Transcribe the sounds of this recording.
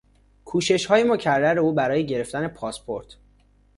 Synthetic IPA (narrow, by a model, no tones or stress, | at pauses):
kʰuːʃe̞ʃhɒːjemocʰærːæɾeuːbæɾɒːje̞ɟe̞ɾe̞ft̪æne̞pʰɒːspʰo̞ɾt̪ʰ